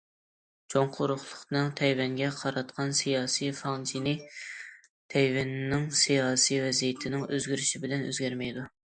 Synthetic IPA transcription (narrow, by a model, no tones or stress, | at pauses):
d͡ʒʰoŋqʰʊɾʊχlˠʊqnɨŋt̪ʰɛjvɛŋɡʲɛqʰɑɾɑt̪qʰɑnsijɑːsijfɑŋd͡ʒʰinɪ | t̪ʰɛjvɛnːɪŋsijɑːsijvɛzijɪt̪ʰɪnɪŋøzɡʲyɾyʃibɪlɛnø̰zɡʲæɾmɛjd̪u